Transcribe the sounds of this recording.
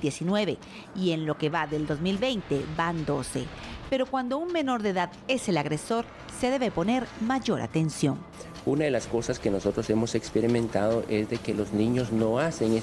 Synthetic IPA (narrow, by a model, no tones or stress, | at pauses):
d̪jesinwe̞βe̞ | ie̞nlo̞ke̞βaðeld̪o̞zmilbe̞jnt̪e̞band̪o̞se̞̰pe̞ɾo̞kwand̪o̞unme̞no̞ɾðe̞ðaðe̞se̞laɣɾe̞so̞ɾ | se̞ðe̞βe̞po̞ne̞ɾmaʝo̞ɾa̰t̪e̞nsjo̞̰n | unaðe̞lasko̞saske̞no̞so̞t̪ɾosemo̞se̞kspeɾimẽnt̪aðoʔe̞zðe̞kelo̞znĩɲo̞zno̞aseŋe